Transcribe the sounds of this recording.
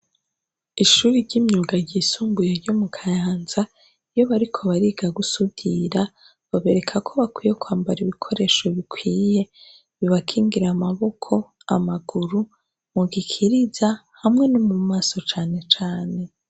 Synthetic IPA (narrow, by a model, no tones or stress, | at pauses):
iʃuːɾiɾɟimɲuːɡaɟiːsuːmbujeɾɟomukʰajaːnza | ijo̞βaɾikʰo̞βaɾiɡaɡusudiɾa | βaβe̞ɾe̞kʰakʰo̞βakwijekwaːmbaɾiβikʰo̞ɾe̞ːʃo̞βikwiːje̞ | βiβakʰiːŋɡiɾamaβo̞kʰo̞ | a̰maɡuɾu | muɡikʰiɾizahamŋe̞nomumaːso̞t͡ʃaːne̞t͡ʃaːne̞